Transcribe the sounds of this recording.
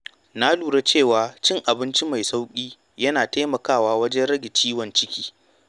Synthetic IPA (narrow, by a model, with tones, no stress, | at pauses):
na˦luː˨ɽe˦t͡ʃeː˦˨waː˨t͡ʃɪ˦ŋʔa˨bɪ˦nt͡ʃi˦ma˨jsa˦wkʲʼiː˦ | jɐ˦naː˨ta˦mɐ˨kaː˦˨waː˦wɐ˦d͡ʒɛ˦nɽɐ˦ɡʲɪ˨t͡ʃiː˦wɐ˨nt͡ʃɪ˦kʲiː˦